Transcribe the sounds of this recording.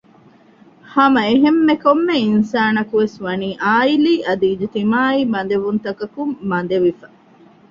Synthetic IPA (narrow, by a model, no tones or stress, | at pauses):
hɐmɐeɦemːekomːeinsaːnɐkuʋesʋɐniːʔaːiliːʔɐd̪iːd͡ʒet̪imaːiːmɐnd̪eʋunt̪ɐkɐkumːɐnd̪eʋifɐ